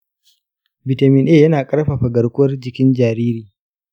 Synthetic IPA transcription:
bɪ˨ta˨mɪ˦nʔeː˦˨jɐ˦naː˨kʼɐ˦ɽɸa˨ɸa˨ɡɐ˨ɽkʷʊ˦wɐ˦rd͡ʒɪ˨kʲɪ˦nd͡ʒaː˨ɾiː˦ɾiː˨

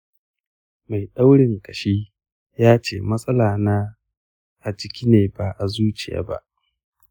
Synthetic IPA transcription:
ma˨jɗa˦wɽɪ˨ŋkɐ˨ʃiː˦ | jaː˦t͡ʃḛː˦˨mɐ˦sʼɐ˦laː˨naː˦ | ʔa˨d͡ʒɪ˦kʲiː˦neː˨baː˨ʔa˨zuː˦t͡ʃɪ˨ja̰ː˦ba̰˦ʔ

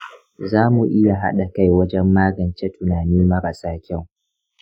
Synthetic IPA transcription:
zaː˦mu˨ʔɪ˦ja˨ɦa̰˦ɗa˨ka˦jwɐ˦d͡ʒɛ˦mːaː˦ɡɐ˨nt͡ʃe˦tʊ˨naː˨niː˦mɐ˦ɾɐ˨saː˦kʲa˦˨w

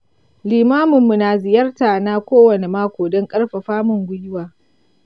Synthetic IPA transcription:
liː˨maː˦mʊ˨mːu˨naː˨zɪ˨jɐ˦rtaː˨naː˦kʷoː˦wɐ˨ne˨maː˦kʷoː˨dɔ˦ŋkʼɐ˦rɸa˨ɸaː˦mʊ˨ŋɡʷʊ˦jɪ˦waː˨

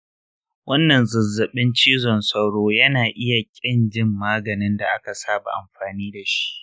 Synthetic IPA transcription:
wɐ˦nːɐ˨nzʊ˨zːɐ˨ɓɪ˦nt͡ʃiː˦zɔ˨nsɐ˦wɽoː˦jɐ˦naː˨ʔɪ˦ja˨kʲʼɪ˦nd͡ʒɪ˦mːaː˦ɡɐ˨nɪ˦nda˨ʔa˦ka˨saː˦ba̰˨ʔa˨mɸaː˨niː˦da˨ʃi̥˦ʔ

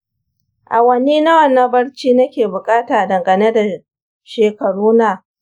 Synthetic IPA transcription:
ʔa˨wɐ˦niː˦na˦wɐ˨nːa˦bɐ˦ɽt͡ʃiː˦nɐ˦kʲeː˨bʊ˨kʼaː˦taː˨dɐ˨ŋɡɐ˨ne˦da˨ | ʃeː˨kɐ˨ɽuː˦naː˨

